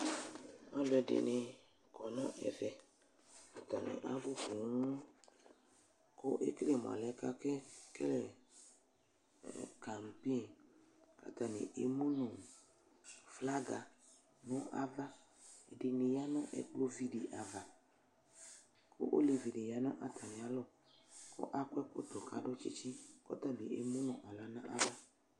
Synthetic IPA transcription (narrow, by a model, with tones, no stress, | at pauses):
ɔ˦lɛ˨dɪ̰˨nɪ˨ | kɔ˨nɔ̃˦ʔɛ̰˨vɛ˨ | ka˨ta˨nɪ̰̃˨ʔa˦bʊ˦ku˨˦ŋu˦ | kʊ˦ʔḛ˦kɾe˦˨mɔ̰˨lɛ˦ka˦ke˦kɛ˦lɛ˨ | ka˨m˨pi˦˨n | ka̰˨ta˨nɪ̰˨ʔe˨mu˦nu˨ | fla˦ɡa˨ | nʊ̃˦ʔa˦va˦ | e˨dɪ˨nɪ˨ja˦nʊ̰̃˦ʔɛ̰˨k͡plo˦vi˨di˨ʔa˨va˨ | kʰʊ̰˦ʔo̰˦li˨vi˨di˨ja˨nʊ̰̃˦ʔa˨tʰa˨nɪ̃˨a˦lʊ˦˨ | kʰʊ̰˦ʔa˦kʷɛ˦kʊ˦t̪ʊ˨ka˨dʊ˦t͡ʃi˦t͡ʃi˦kɔ̰˦ta˦bi˨e˨mũ˦nʊ̃˨ʔa˨la˨nã˦ʔa˦va˦